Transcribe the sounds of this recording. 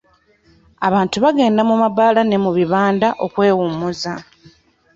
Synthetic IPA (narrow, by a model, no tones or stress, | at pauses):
aβaːntuβaɡe̞ːndamumabaːlane̞muβiβaːndaʔo̞kwe̞ːwumuza